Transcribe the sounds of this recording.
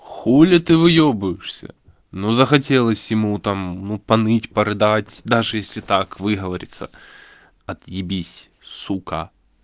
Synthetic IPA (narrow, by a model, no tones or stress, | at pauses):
xulʲət̪ɨvɨjobʊjɪʂsʲə̰ | nozəxɐt̬ʲelˠəsʲjɪmut̪amnupɐnɨtʲpɐɾɨd̪atʲd̪aʐɨjesʲlʲɪt̪akvɨɦəvɐɾʲɪ̰t̪sə̰ | ɐt̪jɪbʲisʲ | suka̰